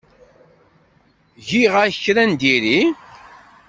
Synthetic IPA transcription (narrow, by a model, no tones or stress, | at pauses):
ʝiʁaçəçɾænd̪iɾi